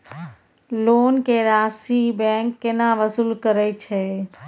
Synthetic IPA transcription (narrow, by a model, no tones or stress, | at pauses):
lonkeɾasibɛ̃ŋkːenaʋəsulkəɾɛt͡ʃʰɛ